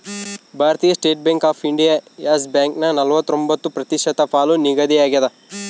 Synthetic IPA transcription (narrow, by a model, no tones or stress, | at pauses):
bʱaːɾɐt̪iːjɐsʈeːʈ̚beŋkaːpʰiɳɖijaːjaːsbjaːŋknɐnɐlʋɐt̪ːɾo̞mbɐt̪ːupɾɐt̪iʃɐt̪ɐpʰaːluniɡɐd̪iaːɡiɐd̪ɐ